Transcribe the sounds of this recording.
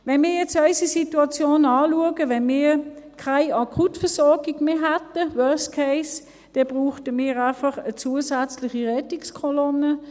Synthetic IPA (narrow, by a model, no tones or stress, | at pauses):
ʋɛnmiːɐjɛt͡sœʏsisituɑt͡sjoːnɑːluəɡəʋɛnmiːkʰaɪɑkʰutfɛsɔɐɡɪɡ̥meːɦɛtəwœɐskʰeɪs | d̥ɛb̥ʁuːχtəmiːʁaɪfɑχət͡suəsæt͡slɪχiʁɛtikskʰɔlɔnə